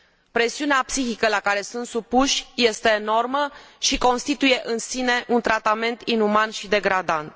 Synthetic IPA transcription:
pɾe̞siuneapsixikəlakaɾe̞sunt̪supuʃʲje̞st̪e̞ːno̞rməʃiko̞nst̪it̪uje̞ʔɨnsine̞ʔunt̪ɾat̪ame̞nt̪inumanʃid̪e̞ɡɾad̪ant̪̚

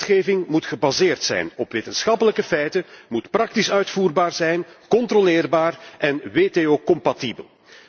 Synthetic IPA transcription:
txeːvɪŋmutxəbazeːrtsɛ̰jnɔpʋeːtənsxɑpələkəfɛjtəmutprɑk̚tisœɥtfuːrbaːrzɛjnkɔntrolɪːrbaːrʔɛnʋeːteːoːkɔmpatibəl

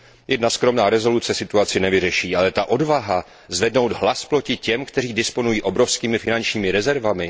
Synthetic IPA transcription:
jɛdnaskɾo̞mnaːɾɛzo̞lut͡sɛsɪt̪uat͡sɪnɛvɪrɛʃiːʔalɛt̪aʔo̞dvaɦa | zvɛdno̞wd̪ɦlasplo̞cɪcɛmkt̪ɛr̝iːdɪspo̞nujiːʔo̞bɾo̞fskiːmɪfɪnant͡ʃɲiːmɪɾɛzɛɾvamɪ

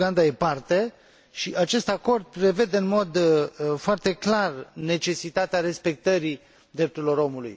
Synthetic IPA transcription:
ɡand̪aje̞part̪e̞ | ʃiʔat͡ʃe̞st̪ako̞rd̪̚pɾe̞ve̞d̪e̞ɨnmo̞d̪foart̪e̞klarne̞t͡ʃe̞sit̪at̪eaɾe̞spe̞k̚t̪əɾi | d̪ɾep̚t̪uɾilo̞ɾo̞mulṵj

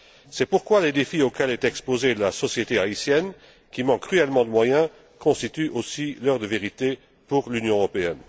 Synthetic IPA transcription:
sɛpuʁkwaled̪efiokʲɛlɛt̪ɛkspozelasɔsjet̪eaisjɛn | kʲimɑ̃kːχyɛlmɑ̃d̪əmwajɛ̃ | kɔ̃st̪it̪yʔosilœʁd̪əveʁit̪e | puʁlynjɔ̃əʁɔpeɛn

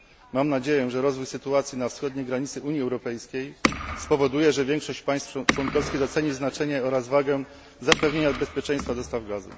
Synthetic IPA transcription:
mamnad͡ʑejɛʐɛɾɔzvujsɘt̪uat̪sʲjinafsxɔd̪ɲɛɡɾaɲit̪sɘʔuɲjiɛwɾɔpɛjskʲejspɔvɔd̪ujɛʐɛvʲjɛŋkʂɔɕt͡ɕpaj̃st̪ft͡ʂwɔnkɔfskʲiɣd̪ɔt̪sɛɲiznat͡ʂɛɲɛɔɾazvaɡɛ | zapɛvɲeɲabɛspʲjet͡ʂɛ̃j̃st̪fad̪ɔst̪avɡazṵ

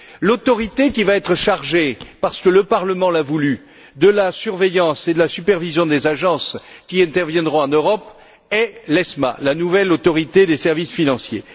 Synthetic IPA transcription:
lot̪ɔʁit̪ekʲivaɛt̪χəʃaʁʒepaʁsə̥kələpaʁləmɑ̃lavuly | d̪əlasyʁvɛjɑ̃sed̪əlasypɛʁvizjɔ̃d̪ezaʒɑ̃skʲiɛ̃t̪ɛʁvjɛ̃d̪ʁɔ̃ɑ̃nøʁɔp | ɛlɛsma̰lanuvɛlot̪ɔʁit̪ed̪esɛʁvisfinɑ̃sjḛ

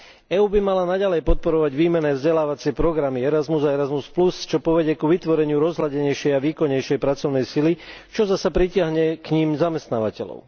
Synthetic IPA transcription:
ɛːuːbimalanaɟalɛjpɔt̪̚pɔɾɔʋaɟʋiːmɛnɛːvzɟɛlaːʋat͡sɪɛpɾɔɡɾamiɛɾazmuzaɛɾazmusplust͡ʃɔpɔʋɛɟɛkuʋit̪ʋɔɾɛɲɪuɾɔzɦlaɟɛɲɛjʃɛjaʋiːkɔɲɛjʃɛjpɾat͡sɔʊnɛjsilit͡ʃɔzasapɾicɪaɦɲɛkɲimzamɛst̪naːʋacɛlɔ̰ʊ

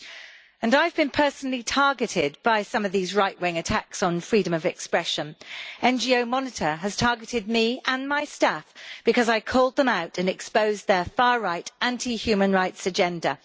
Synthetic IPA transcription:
ə̃naɪvbɨ̃npʰɜˑ˞snl̩ˠitʰɑɹɡɨɾɪd̚b̥aɪsʌ̃mʌvðizɹaɪʔweɪɪ̃ŋɨtʰaksn̩fɹiɾə̃mʌvɨkspɹɛʃə̃nɛ̃nd͡ʒioʊmɑnɨtə˞ɨz̥tʰɑɹɡɨɾɪd̚miə̃nmaɪstafb̥ɨkʰʌzaɪkʰɔlˠd̪̚ðə̃maʊtɨ̃nɨkspoʊzðəfɑːɹaɪtæ̃ntʰihjʉmə̃nɹaɪtsɨd͡ʒɛ̃ndə̰

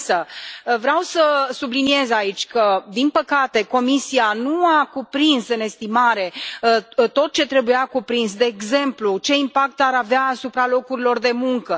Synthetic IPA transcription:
səvɾeawsəsublinie̞zait͡ʃʲkəd̪inpəkat̪e̞ko̞misianuakupɾinsɨne̞st̪imaɾe̞ | t̪o̞t̪̚t͡ʃe̞t̪ɾe̞bujakupɾinsd̪e̞ːɡze̞mplut͡ʃe̞impak̚t̪aɾaveaːsupɾalo̞kuɾilo̞rd̪e̞muŋkə

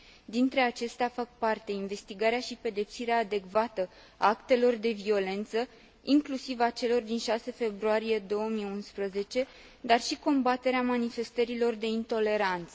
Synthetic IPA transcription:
d̪int̪ɾe̞at͡ʃe̞st̪eafak̚part̪e̞inve̞st̪iɡaɾeaʃipe̞d̪e̞psiɾeaːd̪e̞kvat̪ə | a̰akt̪e̞lo̞rd̪e̞vio̞le̞nt̪sə | iŋklusivat͡ʃe̞lo̞rd̪inʃase̞fe̞bɾuaɾije̞d̪o̞wəmiunspɾəze̞t͡ʃe̞ | d̪arʃiko̞mbat̪e̞ɾeamanife̞st̪əɾilo̞rd̪e̞int̪o̞le̞ɾant̪sə

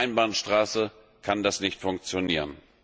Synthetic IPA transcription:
ɪnbaːnʃtʁ̥aːsə | kʰandasnɪçtfʊŋk̚t͡sjoniːʁən

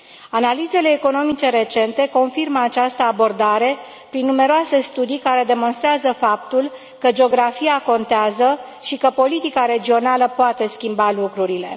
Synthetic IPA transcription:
analize̞le̞ːko̞no̞mit͡ʃe̞ɾe̞t͡ʃe̞nt̪e̞ko̞nfirməat͡ʃast̪əabo̞rd̪aɾe̞ | pɾinːume̞ɾoase̞st̪ud̪ijkaɾe̞d̪e̞mo̞nst̪ɾeazəfap̚t̪ul | kəd͡ʒeo̞ɡɾafijako̞nt̪eazə | ʃikəpo̞lit̪ikaɾe̞d͡ʒio̞naləpoat̪e̞skʲimbalukɾuɾile̞̰

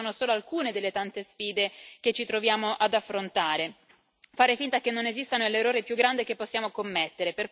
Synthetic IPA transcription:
oːnosoːloalkuːned̪elːet̪ant̪esfiːd̪ek̟et͡ʃːit̪ɾovjaːmoʔad̪afːɾont̪aːɾe | faːɾefint̪akenːonezist̪anolːerːoːɾipjuɡɾand̪ikepːosːjaːmokomːet̪ːeɾeper

